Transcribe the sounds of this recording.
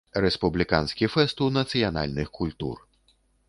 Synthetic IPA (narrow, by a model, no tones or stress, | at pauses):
ɾespublʲikɑ̰nsʲkʲifɛst̪unɐt̪sɨjɔnɑ̰lʲnɪxkulʲt̪ṵr